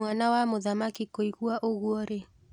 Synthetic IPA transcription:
anawamoðamakikoiɣuaʔoɣuɔɾe

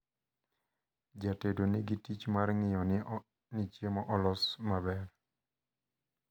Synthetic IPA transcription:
d͡ʒatedonɪɡitit͡ʃmarŋɪjɔn | nɪt͡ʃjemɔʔɔlɔsmabɛɾ

